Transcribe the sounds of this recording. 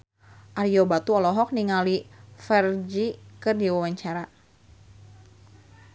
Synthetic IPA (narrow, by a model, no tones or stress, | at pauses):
ʔaɾiobat̪uɔlɔɦɔk̚niŋalifɛrd͡ʒikɨrdiwawaɲt͡ʃaɾa